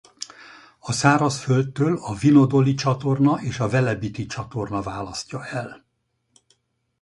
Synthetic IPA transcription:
ɒsaːɾɒsfølt̪ːøːlɒvino̞d̪o̞lit͡ʃɒt̪o̞rnɒʔeːʃɒvɛlɛbit̪it͡ʃɒt̪o̞rnɒvaːlɒscɒɛl

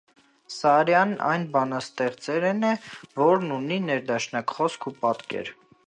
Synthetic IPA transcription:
sɑɾjɑnɑ̰jnbɑnɑst̪ɛʁt͡sɛɾɛnɛvɔɾnuninɛɾd̪ɑʃnɑkχɔskʰupɑt̪kɛ̰ɾ

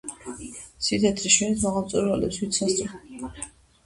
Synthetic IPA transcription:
sit̪ʰɛt̪ʰɾiʃɛnismaʁalˠmt̪sʼuɾvalɛ̰pswit̪sast̪ʼɔ

